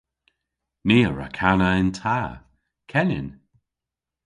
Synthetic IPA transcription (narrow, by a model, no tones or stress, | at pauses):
miːəɹa̰kʰanəɪntʰaː | kʰɛnɪ̰n